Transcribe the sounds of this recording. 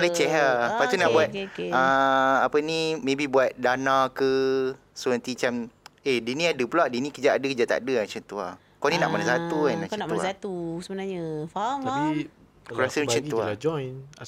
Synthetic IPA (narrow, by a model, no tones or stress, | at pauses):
lat͡ʃɛɦakat̪unaʔbuat̪̚aapənĩmẽbibuat̪̚danãkə | suə̃nt̪it͡ʃamedinĩadəpulaʔdinĩkəd͡ʒaʔadəkəd͡ʒaʔt̪a̰dəat͡ʃənt̪ua | konĩnaʔmanasat̪uanakanasat̪usəbənaɲafaai | kulasə̃t͡ʃənt̪uad͡ʒɔjn